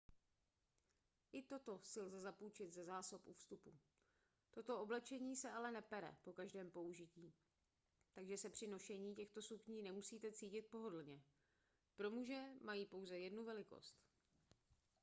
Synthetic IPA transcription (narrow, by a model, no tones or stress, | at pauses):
ʔɪt̪o̞t̪o̞sɪlzɛzapuːt͡ʃɪt̪zɛzaːso̞pʔufst̪upu | t̪o̞t̪o̞oblɛt͡ʃɛɲiːsɛalɛnɛpɛɾɛ̰po̞kaʒdɛːmpo̞uʒɪciː | t̪aɡʒɛsɛpr̥ɪno̞ʃɛɲiːcɛxt̪o̞suxɲiːnɛmusiːt̪ɛt͡siːcɪt̪̚po̞ɦo̞dl̩ɲɛ | pɾo̞muʒɛmajiːpo̞wzɛjɛdnuvɛlɪko̞̰st̪